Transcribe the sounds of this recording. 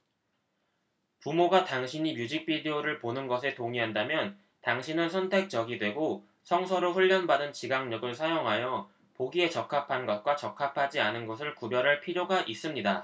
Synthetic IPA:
pumoɡataŋɕʰiɲimjud͡ʑik̚p͈ʰidioɾɯɭponɯnɡʌs̬ʰe̞toŋiɦandamjʌn | taŋɕʰinɯnsʰʌntʰe̞k̚t͡ɕ͈ʌɡidwe̞ɡo | sʰʌŋsʰʌɾoɸuʎːʌnbadɯnt͡ɕiɡaŋɲʌɡɯɭsʰajoŋɦajʌ | poɡie̞t͡ɕʌkʰapʰanɡʌt̚k͈wat͡ɕʌkʰapʰad͡ʑianɯnɡʌs̬ʰɯɭkubjʌɾaɭpʰiɾjoɡaʔis͈ɯmɲida

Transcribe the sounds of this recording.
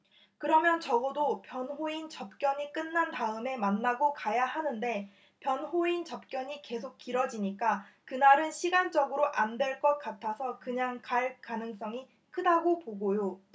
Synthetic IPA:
kɯɾʌmjʌnt͡ɕʌɡʌdopjʌnɸoint͡ɕʌp̚k͈jʌɲik͈ɯnːantaɯme̞manːaɡokajahanɯnde̞ | pjʌnɸoint͡ɕʌp̚k͈jʌɲike̞sʰok̚k͈iɾʌd͡ʑiɲik͈akɯnaɾɯnɕʰiɡand͡ʑʌɡɯɾoʔandwe̞ɭk͈ʌk̚k͈atʰasʰʌkɯɲaŋkaɭkanɯŋs͈ʌŋi | kʰɯdaɡopoɡojo

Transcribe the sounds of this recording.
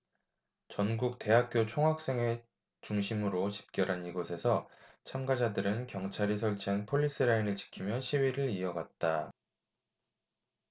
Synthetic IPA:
t͡ɕʌnɡuk̚te̞ɦak̚k͈jot͡ɕʰoŋɦak̚s͈e̞ŋe̞ | t͡ɕuŋɕʰimɯɾoɕʰi̥p̚k͈jʌɾaniɡosʰe̞sʰʌ | t͡ɕʰamɡad͡ʑadɯɾɯnkjʌŋt͡ɕʰaɾis̬ʰʌɭt͡ɕʰiɦanpʰoʎːis͈ɯɾainɯɭt͡ɕi̥kʰimjʌɕʰiwiɾɯɾiʌɡat̚t͈a

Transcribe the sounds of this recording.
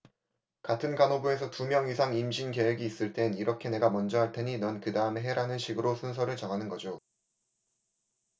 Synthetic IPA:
katʰɯnkanobue̞sʰʌtumjʌŋisʰaŋimɕʰinke̞we̞ɡiːs͈ɯɭt͈e̞niɾʌkʰe̞ne̞ɡamʌnd͡ʑʌɦaɭtʰe̞ɲinʌnkɯdaɯmeɦe̞ɾanɯnɕʰiɡɯɾosʰunsʰʌɾɯɭt͡ɕʌŋɦanɯnɡʌd͡ʑo

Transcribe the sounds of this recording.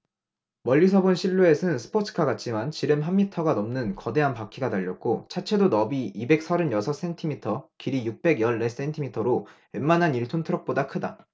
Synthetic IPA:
mʌʎːisʰʌbunɕʰiɭːue̞sʰɯnsʰɯ̥pʰotʰɯ̥kʰaɡat̚t͡ɕ͈imant͡ɕiɾɯmɦamːitʰʌɡanʌmnɯnkʌde̞ɦanpak͈ʰiɡataʎːʌk̚k͈ot͡ɕʰat͡ɕʰe̞donʌbiibe̞k̚s͈ʰaɾɯnjʌsʰʌs͈e̞ntʰimitʰʌkiɾijuk̚p͈e̞ɡjʌɭːe̞s͈e̞ntʰimitʰʌɾowemmanɦaniɭtʰontʰɯɾʌk̚p͈odakʰɯda

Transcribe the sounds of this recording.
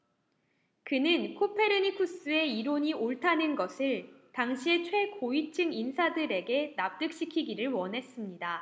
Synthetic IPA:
kɯnɯnkʰopʰe̞ɾɯɲikʰus͈ɯe̞iɾoɲioɭtʰanɯnɡʌsʰɯɭtaŋɕʰie̞t͡ɕʰwe̞koit͡ɕʰɯŋinsʰadɯɾe̞ɡe̞nap̚t͈ɯk̚ɕ͈ikʰiɡiɾɯɭwʌnɦe̞s͈ɯmɲida

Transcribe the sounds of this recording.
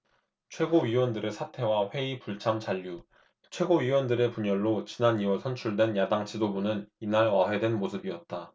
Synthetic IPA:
t͡ɕʰwe̞ɡoɥiwʌndɯɾe̞sʰatʰe̞waɸwe̞ipuɭt͡ɕʰamt͡ɕaʎːu | t͡ɕʰwe̞ɡoɥiwʌndɯɾe̞puɲʌɭːot͡ɕinaniwʌɭsʰʌnt͡ɕʰuɭdwe̞njadaŋt͡ɕʰidobunɯninaɭwaɦe̞dwe̞nmosʰɯbiʌt̚t͈a

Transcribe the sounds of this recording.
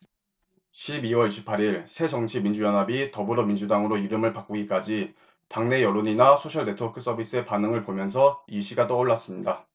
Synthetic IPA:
ɕʰibiwʌɾiɕʰi̥pʰaɾiɭsʰe̞d͡ʑʌŋt͡ɕʰimind͡ʑujʌnɦabitʌbɯɾʌmind͡ʑudaŋɯɾoiɾɯmɯɭpak͈uɡik͈ad͡ʑi | taŋne̞jʌɾoɲinasʰoɕʰʌɭde̞tʰʌkʰɯs͈ʰʌbʱis͈ʰɯe̞panɯŋɯɭpomjʌnsʰʌiɕʰiɡat͈ʌuɭːas͈ɯmɲida

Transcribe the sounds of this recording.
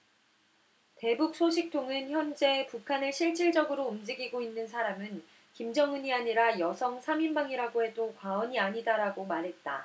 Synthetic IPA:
te̞buk̚s͈ʰoɕʰik̚tʰoŋɯnçjʌnd͡ʑe̞pukʰanɯɭɕʰiɭt͡ɕ͈ʰiɭd͡ʑʌɡɯɾoumd͡ʑiɡiɡoinːɯnsʰaɾamɯn | kimd͡ʑʌŋɯɲiaɲiɾajʌsʰʌŋsʰamimbaŋiɾaɡoɦe̞dokwaʌɲiaɲidaɾaɡomaɾɦe̞t̚t͈a̰

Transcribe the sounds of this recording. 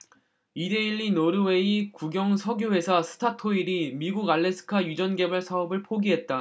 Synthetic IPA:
ide̞iɭːinoɾɯwe̞ikuɡjʌŋsʰʌɡjowe̞sʰasʰɯ̥tʰatʰoiɾimiɡuɡaɭːe̞sʰɯ̥kʰajud͡ʑʌnɡe̞baɭsʰaʌbɯɭpʰoɡiɦet̚t͈a

